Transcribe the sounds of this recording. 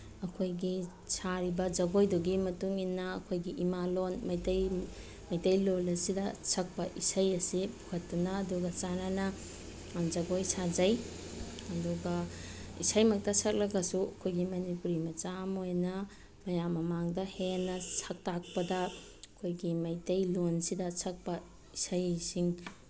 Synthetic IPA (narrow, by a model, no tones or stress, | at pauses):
ɐkʰojɡi | sʰaɾibɐd͡ʒɐɡojduɡimɐtuŋinːɐːkʰojɡiʔimalonmɐjtɐj | mɐjtɐjlolɐsidɐsʰɐk̚pɐʔisɐjɐsipukʰɐtːunɐːduɡɐt͡ʃananɐ | d͡ʒɐɡojsʰad͡ʒɐj | ɐduɡɐḭsajmɐk̚tɐsʰɐk̚lɐɡɐsuɐkʰojɡimɐnipuɾimɐt͡ʃamojnɐ | mɐjamːɐmaŋdɐhenɐsʰɐk̚tak̚pɐdɐ | ɐkʰojɡimɐjtɐjlonsidɐsʰɐk̚pɐ | isajsiŋ